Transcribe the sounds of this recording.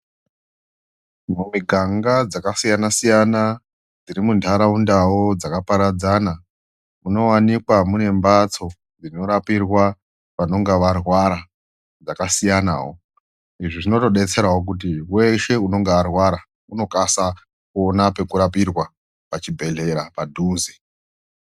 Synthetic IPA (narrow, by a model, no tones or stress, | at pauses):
momiɡʱaŋɡad͡zakasijanasijana | d͡ziɾimuntʰaɾaundawod͡zakapaɾad͡zana | uno̞wanikwamune̞mbat͡so̞ | d͡zino̞ɾapirwa | ʋano̞ŋɡeʋarwaɾa | d͡zakasijana̰ːwo | iʐiʐino̞to̞ɗet͡se̞ɾawok̬ut̬iwe̞ʃe̞uno̞ŋɡearwaɾa | uno̞kasa | kuonape̞kuɾapirwa | pat͡ʃibʱe̞ɮe̞ɾapadʱuːzi